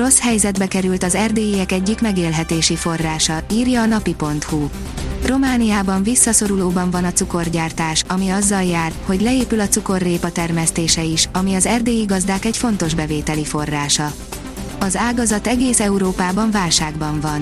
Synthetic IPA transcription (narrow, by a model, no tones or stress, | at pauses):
o̞shɛjzɛd̪bɛkɛɾylt̪ɒzɛrd̪eːjiɛkɛɟːikmɛɡeːlɦɛt̪eːʃifo̞rːaːʃɒiːrjɒːnɒpipo̞n̪t̪hu | ro̞maːnijaːbɒɱvisːɒso̞ɾuloːbɒɱvɒnɒt̪t͡suko̞rɟaːrt̪aːʃɒmiɒzːɒljaːrho̞ɟlɛeːpylɒt̪suko̞rːeːpɒt̪ɛrmɛst̪eːʃɛiʃɒmiɒzɛrd̪eːjiɡɒzd̪aːkɛcfo̞n̪t̪o̞ʒbɛveːt̪ɛlifo̞rːaːʃɒ | ɒzaːɡɒzɒt̪ɛɡeːsɛuɾoːpaːbɒɱvaːlʃaːɡbɒɱvɒn